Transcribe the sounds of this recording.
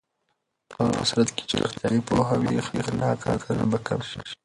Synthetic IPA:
pəa̰sɾat̪ke̥t͡ʃeɾɪ̰xt̪jɑːɾipoɦawixixlɑkʰa̰kʰanabakapʃikʃi̥

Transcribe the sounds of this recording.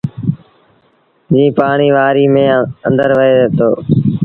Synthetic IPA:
d͡ʒĩːpaːɳiːʋaːɾiːmẽːənd̪əɾʋəeːt̪o̰ː

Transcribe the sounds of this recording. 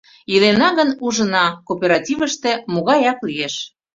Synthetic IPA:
ilenɑɣənuʒə̆nɑkopʲeɾɑtʲivə̆ʃt̪ĕmoɣɑjɑklijeʃ

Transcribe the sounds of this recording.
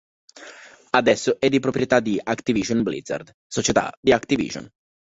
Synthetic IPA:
ad̪ɛsːoʔɛd̪ːipɾopɾjet̪ad̪iakt̪iviʒonblḭd̪za̰rd̪ | sot͡ʃet̪a̰d̪iakt̪ivḭːʒo̰n

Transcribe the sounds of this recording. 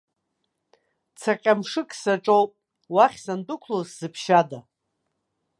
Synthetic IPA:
t͡sʰaqʲʼamʂɨkʼsaʈ͡ʂʼowpʼ | waχʲsandʊkʷʰlosz̥ɨpʰʃada

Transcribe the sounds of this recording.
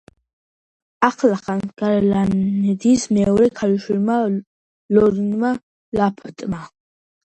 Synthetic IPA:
aχlaχanɡ̥aɾlanɛd̪ismɛɔɾɛkʰaliʃwilma | lɔɾinma | lapʰt̪ʼma

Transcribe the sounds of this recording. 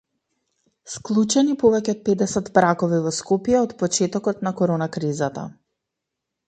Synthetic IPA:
sklˠut͡ʃɛnipɔvɛcɛɔt̪̚pɛd̪ɛsɛt̪bɾakɔvivɔskɔpjɛɔt̪pɔt͡ʃɛt̪ɔkɔt̪nakɔɾɔnakɾizat̪a̰

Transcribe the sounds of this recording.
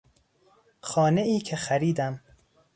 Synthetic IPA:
xɒːne̞ʔiːcʰexæɾiːd̪æm

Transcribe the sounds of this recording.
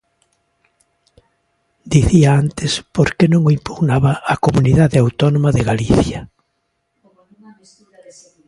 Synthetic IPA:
d̪iθiaant̪ɪspoɾkenõŋoimpuɣnaβaːkomuniðaðeawt̪ɔnõmaðeɣaliθja

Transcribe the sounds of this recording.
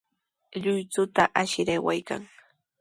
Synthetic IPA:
ʎʊjt͡sʊt̪aʔaʃɪɾajwajka̰ŋ

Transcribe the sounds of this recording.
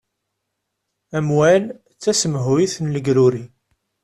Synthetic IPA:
æmwæl | t͡sːæsəməɦuiθnləɡɾuɾi

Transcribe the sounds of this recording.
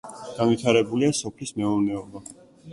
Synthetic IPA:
ɡ̥anwit̪ʰaɾɛbuliasɔpʰlismɛɔɾnɛɔba

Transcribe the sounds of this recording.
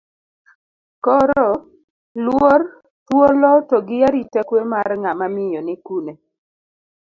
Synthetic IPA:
kɔɾɔ | lwor | twolɔtɔɡɪjaɾitɛkwemarŋamamɪjɔnɪkune

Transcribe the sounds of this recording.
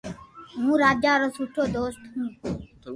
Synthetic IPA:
ɦũːɾaːd͡ʒjaːɾoːsuʈʰoːd̪oːsʈ̪ɦũː

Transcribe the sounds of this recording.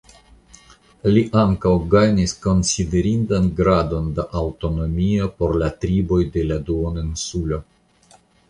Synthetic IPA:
liʔaŋkawɡajnisko̞nside̞ɾindanɡɾado̞ndaʔawto̞no̞mio̞po̞ɾlat̪ɾibo̞jde̞laduoninsulo̞

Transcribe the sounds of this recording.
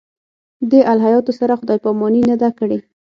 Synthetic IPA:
d̪eʔalɦajɑt̪osaɾaxʊd̪ɑjpɑmɑninad̪akəɽe

